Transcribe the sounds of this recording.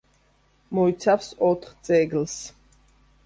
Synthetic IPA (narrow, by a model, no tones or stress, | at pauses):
mɔit̪sʰafsɔt̪ʰχt̪sʼɛɡls